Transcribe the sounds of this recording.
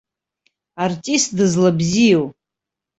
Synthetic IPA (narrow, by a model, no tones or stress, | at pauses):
artʼist̚dɨzlabzijow